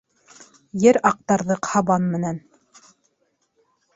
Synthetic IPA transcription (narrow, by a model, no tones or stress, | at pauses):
jɘɾɑq̚t̪ɑɾðɤqhɑβɑnmɘ̆næn